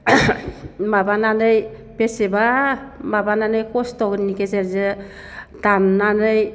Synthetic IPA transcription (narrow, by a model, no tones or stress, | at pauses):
mabananɯj | pesebamabananɯjkostɔɡnikeseɾze | tanːanɯj